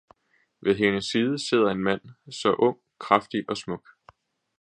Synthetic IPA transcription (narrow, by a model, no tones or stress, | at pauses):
ʋe̝ðˠɦe̝nəsːiːð̞ˠəse̝ð̰ˠɐe̝nmæn̰sɒ̽ʔɔ̽ŋ̰ | kʰʁafd̥iʔɒ̽smɔ̽ɡ̥